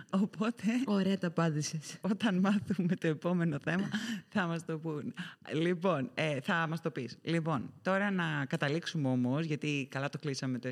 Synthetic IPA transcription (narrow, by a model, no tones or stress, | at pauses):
opo̞t̪e̞oɾe̞ɐt̪ɐpɐd̪iseso̞t̪ɐnmɐθume̞t̪o̞epo̞me̞no̞θe̞mɐθɐmɐst̪o̞punlipo̞neθɐmɐst̪o̞pislipo̞nt̪o̞ɾɐnɐkɐt̪ɐliksumeo̞mo̞zʝɐt̪ikɐlɐt̪oklisɐme̞t̪o